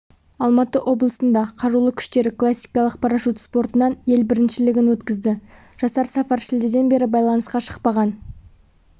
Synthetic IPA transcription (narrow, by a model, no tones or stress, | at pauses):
ɑlˠmɑt̪əʔo̞blˠəsənd̪ɑqʰɑɾulˠəkʲʰʏ̥ʃt̪e̞ɾɪklˠasʲːijkɑlˠəq̚pʰɑɾɑʃut̪spo̞ɾt̪ənɑnje̞lbɪɾɪnʃɪlɪɡʲɪnwɵt̪kʲɪzd̪ɪ | ʒ̥ɑsɑɾsɑfɑɾʃɪld̪ed̪e̞nbe̞ɾɪbɑjlˠɑnəsqɑʃə̥qpɑʁɑn